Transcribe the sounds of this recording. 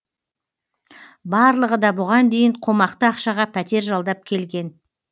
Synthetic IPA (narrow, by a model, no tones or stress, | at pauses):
bɑɾlˠəʁəd̪ɑbʊʁɑnd̪e̞jəɴqʰomɑqt̪əɑqʃɑʁɑpʰæt̪e̞ɾʒɑlˠd̪ɑp̚kʲʰe̞lɡʲe̞n